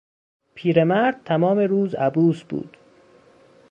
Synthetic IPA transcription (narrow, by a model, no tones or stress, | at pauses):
pʰiːɾe̞mæɾd̪̚t̪ʰæmɒːmeɾuːzæbuːsbṵːd̪̥